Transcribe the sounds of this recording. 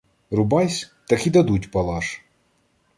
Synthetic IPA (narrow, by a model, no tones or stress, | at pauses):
rʊbɑjsʲt̪ɐkid̪ɐd̪utʲpɐlˠɑʃ